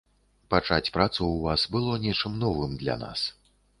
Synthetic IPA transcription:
pat͡ʂat͡sʲpɾat̪suwvasbɨlˠɔnʲɛt͡ʂɨmnɔvɨmd̪lʲa̰na̰s

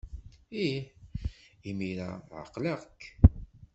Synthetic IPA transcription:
i | imiɾa̰ʕə̰qːləʁkː

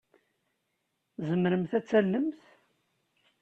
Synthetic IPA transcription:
zəmɾəmθæt͡sːælːəmθ

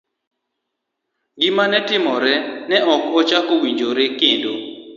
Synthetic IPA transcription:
ɡɪmanɛtɪmɔɾɛnɛɔkɔt͡ʃakowiɲd͡ʒoɾekɪndo

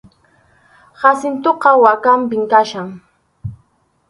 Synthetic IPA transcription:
hasɪnt̪oqɑwakampɪŋkaʃaŋ

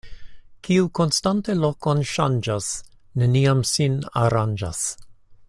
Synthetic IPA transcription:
kʰiuko̞nstantelo̞konʃand͡ʒas | ne̞niamsina̰ɾand͡ʒa̰s

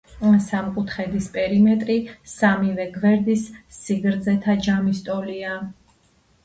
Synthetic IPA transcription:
samkʼut̪ʰχɛd̪ispʼɛɾimɛt̪ʼɾisamivɛɡvɛɾd̪isːiɡɾd̪zɛt̪ʰad͡ʒamist̪ʼɔlia

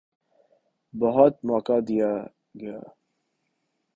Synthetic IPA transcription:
bɐɦʊt̪mɔːkad̪ija | ɡɐja̰ː

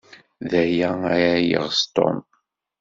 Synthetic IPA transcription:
ðæjæaɾajə̰ʁst̪o̰m

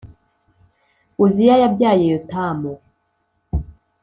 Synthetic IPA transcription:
uzijajabɟaːjejotamo

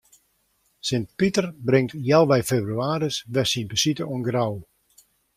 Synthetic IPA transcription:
sɪnt̚pitərbrɪŋtjɛlˠʋɛjfeːbryaːɾəsʋɛsinmpəsitəunɡraw

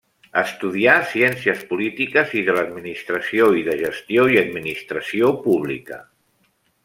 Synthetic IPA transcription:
əst̪uð̞iasiɛnsiəspulit̪ikəziðələd̪minist̪ɾəsioiðəʒəst̪joiəd̪minist̪ɾəsiopuβ̞lḭkə̰

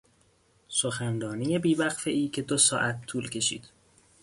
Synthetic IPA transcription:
soxænrɒːnije̞biːbæɣfe̞ʔiːcʰe̞d̪osɒ̰ːʔæt̪ʰːuːlcʰe̞ʃḭːd̪̥

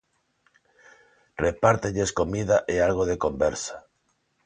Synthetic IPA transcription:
repaɾt̪eʎeskomiðaʔealɣ̞oðekombeɾsḁ

